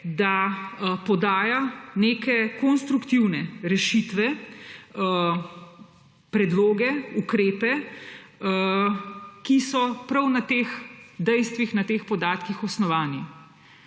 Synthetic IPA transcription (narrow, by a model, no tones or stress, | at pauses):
d̪apɔd̪aːjaneːkɛkɔnst̪ɾukt̪iwnɛɾɛʃit̪ʋɛ | pɾɛd̪loːɡɛukɾeːpɛ | kisɔpɾɐwnat̪eːxd̪ɛjst̪ʋixnat̪eːxpɔd̪aːt̪kixɔsnɔʋaːni